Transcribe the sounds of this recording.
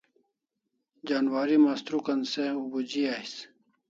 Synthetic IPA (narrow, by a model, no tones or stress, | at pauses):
d͡ʑaːnwaːɾimaːst̪ɾukɐnseubud͡ʑiaːis